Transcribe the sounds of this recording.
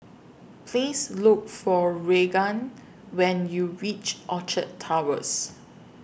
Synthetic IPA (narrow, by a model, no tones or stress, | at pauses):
pʰlislʊk̚fɔɹeɡãn | wɛ̃njuɹit͡ʃʔɔt͡ʃətʰːawə̰s